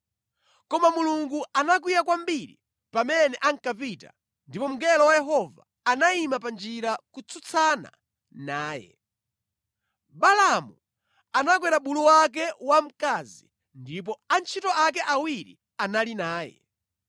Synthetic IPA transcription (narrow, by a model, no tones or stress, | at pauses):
kɔmamuluŋɡuanak̬wijak̬wambiɾḭ | pamɛnɛʔaŋkap̬ita̰ | ndipɔm̩ɡɛlɔwajɛɦɔva̰ːnaimapand͡ʒiɾakut͡sʰut͡sʰana̰ | naːjɛ̰ | balamu | anak̬wɛɾaɓuluwak̬ɛwam̩kazi | ndipɔant͡ʃʰitɔak̬ɛʔawiɾḭ | analinaːjɛ̰